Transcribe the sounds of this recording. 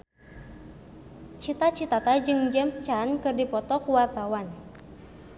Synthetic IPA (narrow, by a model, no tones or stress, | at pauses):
t͡ʃit̪at͡ʃit̪at̪ad͡ʒɨŋd͡ʒɛmst͡ʃankɨrdipɔt̪ɔkuwarbawan